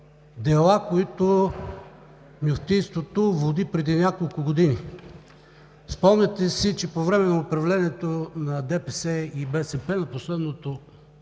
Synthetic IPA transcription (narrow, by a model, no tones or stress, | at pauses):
d̪ɛlˠakoit̪o | mjoft̪inst̪vot̪ovod̪ipɾɛd̪inʲakolˠkʊɡod̪ini | spɔmnɛt̪ɛsit͡ʃɛpovɾɛmɛnɐopɾɐvlɛniɛt̪onɐd̪ɛpɛsɛibɛsɛpɛnɐposlɛd̪not̪o